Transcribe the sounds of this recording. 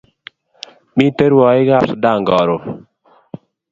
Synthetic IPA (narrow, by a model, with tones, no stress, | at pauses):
mi˦te˦ɾwɔ˨ɪ˦ɡa˦˨sʊ˨da˦˨ŋɡɔ˨ɾo˨